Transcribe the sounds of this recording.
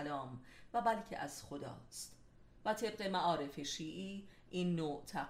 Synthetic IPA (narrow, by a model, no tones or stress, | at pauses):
lɒːmvæbælcʰḛʔæz̥xo̞d̪ɒ̰ːst̪ | væt̪ʰe̞b̚ɢe̞mæʔɒːɾe̞fe̞ʃiːʔiːʔiːnːoːt̪ʰæ